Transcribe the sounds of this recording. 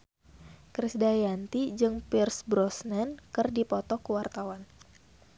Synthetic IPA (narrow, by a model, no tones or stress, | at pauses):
kɾisdajant̪id͡ʒɨŋpirsbɾɔsnɛnkɨrdipɔt̪ɔkəwart̪awan